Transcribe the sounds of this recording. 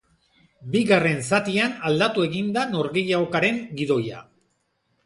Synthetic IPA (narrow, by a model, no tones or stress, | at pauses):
biɣare̞nsat̪ianald̪at̪ue̞ɣind̪ano̞ɾɣejaokaɾe̞ŋɡiðo̞ja̰